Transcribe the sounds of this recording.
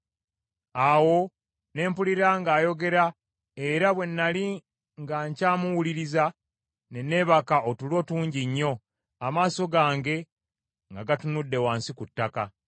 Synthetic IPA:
awo̞ | ne̞ːmpuliɾaŋɡaːjo̞ɡe̞ɾa | e̞ɾaβwe̞nːali | ŋɡaɲcaːmuwuliɾiza | ne̞ne̞ːβakaʔotulo̞ːtuːɲɟiɲːo̞ | amaːso̞ɡaːŋɡe̞ | ŋɡaɡatunudːe̞waːnsikutːaka

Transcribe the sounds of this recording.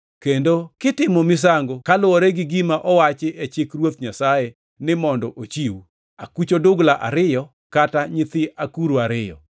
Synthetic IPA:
kendokɪtɪmɔmɪs̬aŋɡokalʊoɾɛɡɪɡimaʔɔwat͡ʃɪʔet͡ʃɪkɾwot̪̚ɲasaje | nɪmɔndɔʔot͡ʃiw | a̰kut͡ʃodʊɡlaʔa̰ɾɪjɔ | kataɲɪt̪ɪakuɾuaɾɪjɔ̰

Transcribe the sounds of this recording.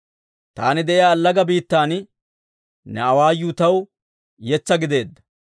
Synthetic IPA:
t̪aːnɪd̪ɛʔɪjaːlːɐɡɐbiːt̪ːaːn | nɛɐwaːjuːt̪ɐw | jɛt͡sːɐɡɪd̪e̞ːd̪ːɐ̥

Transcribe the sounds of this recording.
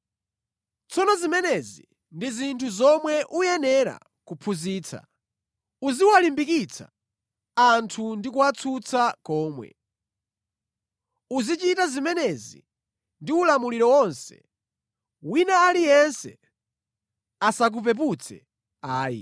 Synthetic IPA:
t͡sʰɔnɔzimɛnɛzi | ndizintʰuzɔmwɛʔujɛnɛɾa̰ | kupʰuziːt͡sʰa̰ | uziwalimbikit͡sʰa | antʰundikuwat͡sʰut͡sakɔːmwɛ̰ | uzit͡ʃitazimɛnɛzḭ | ndiulamuliɾɔwɔnsɛ̥̰ | winaːlijɛnsɛ | asak̬up̬ɛp̬ut͡sʰɛ̰ | aːjḭ

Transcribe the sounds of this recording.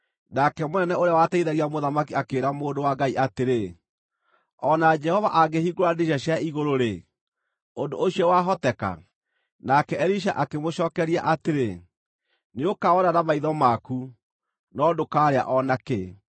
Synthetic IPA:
nakɛmonɛnɛoɾeawatɛiðaɣiamoðamakiakeːɾamoːndowaɡaiʔateɾe | ɔnad͡ʒɛhɔvaʔaɡehiɡoɾadeʃ̬aɕjaiɣoɾoɾe | ondooɕiɔwaɦɔtɛka̰ | nakɛɛɾiʃ̬aʔakemoɕɔːkɛɾiaʔateɾe | neokaɔnanamaiðɔmaku | nɔdokaːɾea̰ʔɔnake

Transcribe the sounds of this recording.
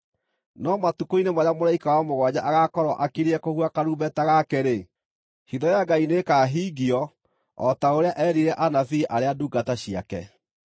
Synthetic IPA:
nɔmatukoinemaɾamoɾaikawamoɣwad͡ʑaʔaɣakɔɾɔʔakiɾɛkohuakaɾuːbɛtaɣakɛɾe | hiðɔjaɡainekaːɦiɡiɔ | ɔtaoɾeaʔɛɾiɾɛʔanaθiʔaɾeaduːɡataɕia̰kɛ̰

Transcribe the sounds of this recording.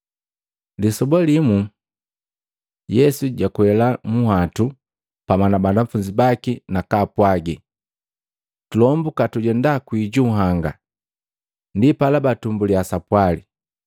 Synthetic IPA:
lisɔbɔlimu | jɛsuɟakuɛlamuhatu | pamanabandaɱ̩fuɲd͡ʒibakinakaːpwaɡi | tulɔmbukatuɟɛndakwiɟuɦaŋɡa̰ | ndipalabatumbuliasapwali

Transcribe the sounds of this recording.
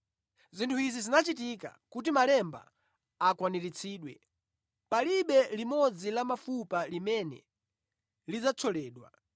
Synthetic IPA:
zintʰuizizinat͡ʃit̬ika̰kut̬imalɛmba̰ | akwaniɾit͡sʰiːɗwɛ̰ | paliɓɛlimɔd͡zilamafupalimɛnɛ̰ | lid͡zat͡sʰɔlɛːɗwa̰

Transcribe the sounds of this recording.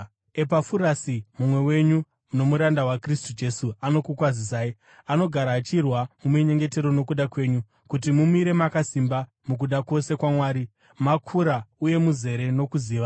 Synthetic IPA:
epafuɾasimumwe̞we̞ɲu | no̞muɾandawakristud͡ʒe̞suano̞kukwazis̬aːi | ano̞ɡʱaɾaːt͡ʃirwamumiɲe̞ŋɡe̞te̞ɾono̞kuɗakwe̞ːɲu | kut̬imumiɾe̞makasimba | muk̬uɗako̞se̞kwamwaːɾi | makʰuɾauje̞muze̞ɾe̞no̞kuziːʋa

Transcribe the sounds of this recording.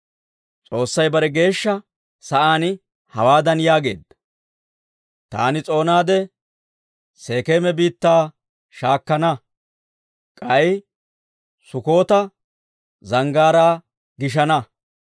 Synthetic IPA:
t͡sʼo̞ːsːɐjbɐɾɛɡe̞ːʃːɐ | sɐʔaːnɪ | hɐwaːd̪ɐnjaːɡe̞̰ːd̪ːɐ | t̪a̰ːnɪt͡sʼo̞ːnaːd̪ɛ | se̞ːkeːmɛbiːt̪ːaː | ʃaːkːɐnɐ | kʼɐj | sʊko̞ːt̪ɐ | zɐŋɡaːɾaː | ɡɪʃ̬ɐnɐ

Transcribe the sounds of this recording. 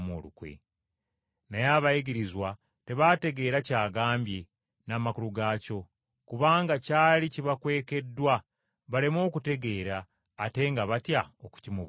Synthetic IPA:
mo̰lukwḛ | najaːβajiɡiɾizwa | te̞βate̞ɡe̞ːɾacaːɡaːmbje̞ | naːmakuluɡaːco̞ | kuβaːŋɡacaːliciβakwe̞ːke̞dːwa | βale̞mo̞ːkute̞ɡe̞ːɾaː | te̞ːŋɡaβatjaoku̥cimuβ

